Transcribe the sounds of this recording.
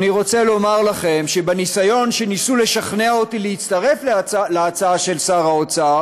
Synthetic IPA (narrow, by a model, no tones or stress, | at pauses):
niʁo̞t͡selo̞maʁlaχe̞mʃe̞benisajo̞nʃenisule̞ʃaχneaotilehit͡st̪aʁe̞flleat͡saaʃe̞lsaʁaot͡sa